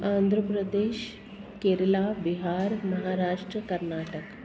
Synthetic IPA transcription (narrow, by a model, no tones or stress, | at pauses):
and̪ʱɾəpɾəd̪eːɕ | keɾlabiɦaːɾməɦaɾaːʂʈɾəkəɾnaːʈək